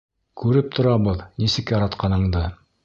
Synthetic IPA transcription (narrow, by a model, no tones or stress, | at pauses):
kʉɾɘp̚t̪ʰŏɾɑβɤðnisɘ̆kjɑɾɑt̪qɑnɤ̆ɴd̪ɤ